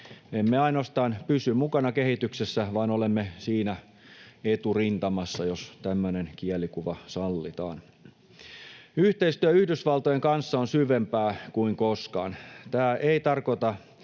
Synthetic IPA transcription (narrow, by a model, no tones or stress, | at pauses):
emːeɑinoɑst̪ɑːnpysymmukɑnɑkehit̪yksesːæʋɑːnolemːesiːnæ | et̪urint̪ɑmɑsːɑjost̪æmːønenkiɛlikuʋɑsɑlːit̪ɑ̰ːn | yht̪eist̪yæyhdysʋɑlt̪ojeŋkɑnsːɑonsyʋempæːkuiŋkoskɑ̰ːnt̪æːʔeit̪ɑrkot̪ɑ